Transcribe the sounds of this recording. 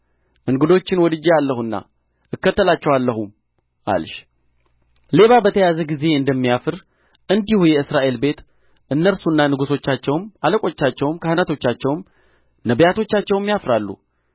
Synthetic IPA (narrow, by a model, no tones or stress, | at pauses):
ʔɨŋɡɨd̪o̞t͡ʃːɪnwɔd̪ɨd͡ʒealːəhunːa̰ | ʔɨkːət̪ːəlat͡ʃːɛwalːəɦum | ʔa̰lʃ | le̞βabət̪ʰəjazəɡize̞ɨnd̪əmːijafɨɾ | ʔɨnd̪ihujɛɨsɾaʔe̞lbe̞t̪ | ʔɨnːəɾsunːanɨɡuso̞t͡ʃːat͡ʃːɛwmaləkʼo̞t͡ʃːat͡ʃːɛwmkʰəhɨnət̪ʰo̞t͡ʃːat͡ʃːɛwm | nəbjat̪ʰo̞t͡ʃːat͡ʃːɛwmːjafɾalːṵ